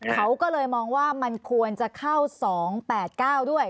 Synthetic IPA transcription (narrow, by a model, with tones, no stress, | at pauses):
kʰa˦˥wkɔː˥˩lɤː˧jmɔː˧ŋwaː˥˩ma˧nkʰu˧ənt͡ɕa˨˩kʰa˥˩wsɔː˩˦ŋpɛː˨˩t̪̚kaː˥˩wdu˥˩əj